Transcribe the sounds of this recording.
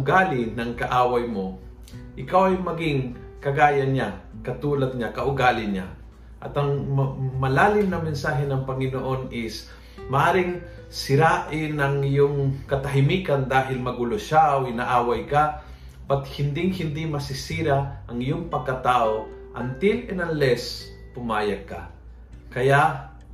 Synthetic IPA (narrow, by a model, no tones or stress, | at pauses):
ʊɡaːlɪnɐŋkɐʔaːwɐjmo | ʔɪkawɐjmɐɡɪŋ | kɐɡaːjɐnakɐt̪uːlɐt̪̚ɲakɐʔʊɡaːlɪɲa̰ | ʔɐt̪ɐŋmɐlaːlɪmnɐmɛnsaːɦɛnɐŋpɐŋɪnoʔo̞nɪs | mɐʔaːɾɪŋ | sɪɾaʔɪnɐŋɪjoŋkɐt̪ɐɦɪmiːkand̪aːɦɪlmɐɡuloʃawinɐʔaːwajka | bɐt̪̚hɪnd̪ɪŋhɪnd̪imɐsɪsiːɾaʔɐŋɪjoŋpɐɡ̚kɐt̪aːʔo̞ʔɐ̰nt̪ɪlɛnɐŋlɛs | pʊmaːjɐɡ̚ka̰ | kɐjaʔ